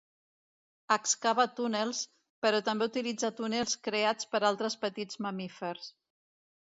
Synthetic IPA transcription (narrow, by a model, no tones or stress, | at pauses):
əkskaβat̪unelˠs | pəɾɔt̪əmbeut̪ilid͡zat̪unelˠskɾeat͡spəɾalˠt̪ɾəspət̪id͡zməmifəɾs